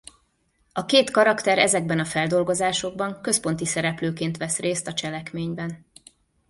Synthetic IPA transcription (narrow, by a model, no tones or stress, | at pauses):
ɒkeːt̪kɒɾɒkt̪ɛɾɛzɛɡ̚bɛnɒfɛld̪o̞lɡo̞zaːʃo̞ɡ̚bɒŋkø̞spo̞nt̪isɛɾɛpløːkeːnt̪ʋɛsreːst̪ɒt͡ʃɛlɛkmeːɲbɛn